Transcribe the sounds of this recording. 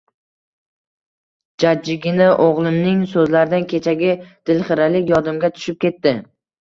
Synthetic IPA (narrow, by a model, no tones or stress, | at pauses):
d͡ʒad͡ʒːɪɡʲɪnɪʔoʁlˠɪmnɪŋsɵzlaɾɪd̪ankʲʰe̞t͡ʃʰaɡʲɪd̪̥ɪlχɪɾalɪkʲjɒd̪ɪmɡʲat̪ʰʊ̥ʃɪp̚kʲe̞t̪ːɪ